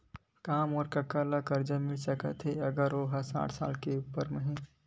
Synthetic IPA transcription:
kaːmɔːɾkɐkaːlakəɾd͡ʒəmɪlsəkə̰t̪ɦeɐɡəɾoːɦasa̰ːʈʰsa̰ːlkeupəɾməɦĩ

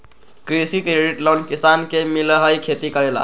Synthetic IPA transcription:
kɾisikɾeɖiʈlownkisankemiləɦəjkʰet̪ikəɾela̰

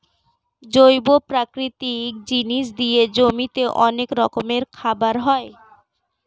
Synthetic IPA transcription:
d͡ʑojbopɾakɾit̪ik̚d͡ʑiniʃ̬d̪ijed͡ʑomit̪eʔɔnekɾɔkomeɾkʰabaɾɦɔe

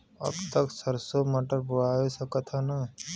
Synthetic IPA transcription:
ə̰bt̪əksəɾsoməʈəɾbʊɽaːjesəkət̪ʰənɐ

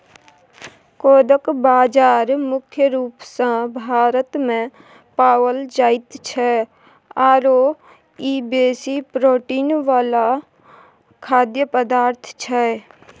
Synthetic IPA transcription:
koːd̪əkbaːd͡ʒaːɾmʊkʰjəɾuːpsãbʱaːɾət̪mẽ | paːwəld͡ʒaːɪt̪t͡ʃʰɛ | aːɾo | iːbeːsipɾoːʈiːnʋaːla | kʰaːd̪jəpəd̪aːɾt̪ʰt͡ʃʰɛ

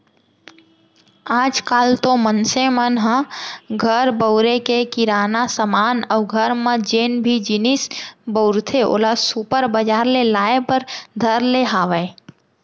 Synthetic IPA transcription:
aːd͡ʒkaːlt̪omənsemənɦə̃ɡʱəɾbəʊɾekekɪɾaːnasəmaːnɔːɡʱəɾmə̃d͡ʒeːnbʱid͡ʒɪnɪsbəʊɾt̪ʰeʔo̰ːlasupəɾbəd͡ʒaːɾlelaːepəɾd̪ʱəɾleɦaːʋəe

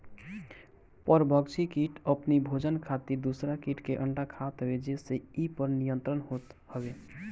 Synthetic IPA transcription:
pəɾbʱəɡt͡ʃʰikiʈʰəpnibʱod͡ʒənkʰat̪iɾd̪usɾakiʈkeʔəɳɖakʰat̪ɦəbed͡ʒeseipəɾnijənt̪ɾənɦot̪həbe

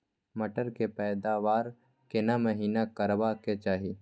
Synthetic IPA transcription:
mɐʈəɾkepɛːd̪aʋaːɾ | kɪnamɐɦiːnakəɾʋaket͡ʃaːɦi

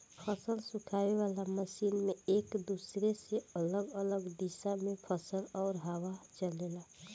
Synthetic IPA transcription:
pʰəsəlsũkʰaːweʋaːlaməsiːnmeeːkd̪uːsɾeseələɡələɡd̪isamẽpʰəsəlɔːɾɦəwat͡ʃəlela

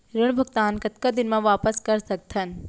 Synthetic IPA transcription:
ɾəɽ̃bʱɐɡt̪aːnkɐt̪kad̪ɪnmẽʋaːpəskɐɾsɐk̚t̪ʰən

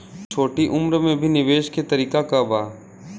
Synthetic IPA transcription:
t͡ʃʰoːʈiʔʊmɾmẽbʱinɪʋeːʃket̪əɾiːkakabaː

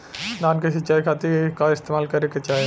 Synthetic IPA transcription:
d̪aːnkesɪt͡ʃːaːikʰaːt̪ikaɪst̪eːmaːlkɐɾeket͡ʃaːe

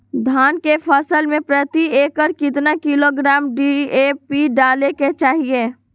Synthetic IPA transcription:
d̪ʱaːnkepʰəsəlmẽpɾət̪ieːkəɾkɪt̪nakɪloɡɾaːmɖiepiɖaːleket͡ʃaːɦie

